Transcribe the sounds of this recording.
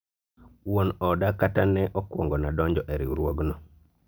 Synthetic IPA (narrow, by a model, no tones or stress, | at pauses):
wonɔdakatanɛʔɔkwɔ̰ŋɡɔnadɔɲd͡ʒɔʔɛɾḭuɾwoɡnɔ